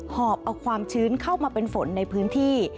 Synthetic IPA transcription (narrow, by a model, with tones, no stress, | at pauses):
hɔː˨˩p̚ʔa˧wkʰwaː˧mt͡ɕʰɯː˦˥nkʰa˥˩wmaː˧pe˧nfo˩˦nːa˧jpʰɯː˦˥nt̪ʰiː˥˩